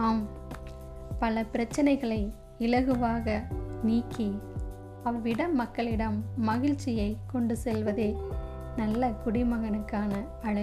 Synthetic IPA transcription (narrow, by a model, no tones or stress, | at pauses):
aːm | pɐlɐpɪɾɐt͡ʃːɐnɐɪɣɐɭɐɪ | ɪlɐɣɯʋaːɣɐniːkːi | ɐʋɪɽɐmːɐkːɐɭɪɽɐmːɐɣɪɻt͡ʃːɪjɐɪkɔɳɖɯsɛlʋɐðɯ | nɐlːɐkʊɽɪmɐɣɐnɯkːaːnɐːɻɐ